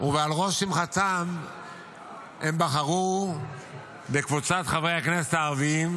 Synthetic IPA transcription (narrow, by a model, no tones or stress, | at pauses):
uvealʁo̞ʃimχat͡sam | embaχaʁu | bekvut͡sat̪χavejhakneset̪aːʁviim